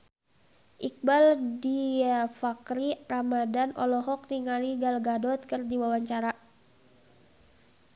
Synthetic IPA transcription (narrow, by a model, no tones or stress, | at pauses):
ʔik̚baldifakɾiramadanʔɔlɔɦɔk̚niŋaliɡalɡadɔt̪̚kɨrdiwawaɲt͡ʃaɾa